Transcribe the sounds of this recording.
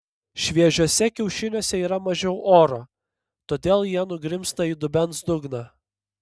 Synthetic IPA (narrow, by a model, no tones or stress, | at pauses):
ʃʲʋʲiɛʒʲuɔsʲɛkʲɛʊʃʲɪnʲoːsʲɛiːɾɐmɐʒʲɛʊʔoːɾoː | t̪oːd̪ʲeːlˠjiɛnʊɡɾʲɪmst̪ɐiːd̪ʊbʲɛnsd̪ʊɡnɑ